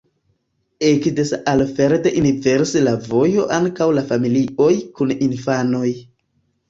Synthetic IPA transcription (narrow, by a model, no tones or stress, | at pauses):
ekdesalfeɾteʔiniveɾselavo̞jo̞ʔaŋkawlafamilio̞jkuninfano̞j